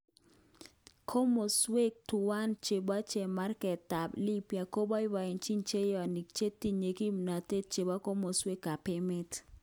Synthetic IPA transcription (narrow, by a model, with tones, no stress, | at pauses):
kʰo˦mo˨swe˦k̚tu˨wa˦nt͡ʃe˨ba˦t͡ʃe˨ma˦rkɛ˨ta˨bli˦pja˨ko˦ba˦ɪ˦wa˨ɪ˨nt͡ʃi˦nt͡ʃe˦jɔ˨ni˨k̚t͡ʃe˦ti˦ɲe˨ki˦mna˨te˦t̚t͡ʃe˨ba˦ko˦mo˨swe˦kːa˨pɪ˦mɪ˦t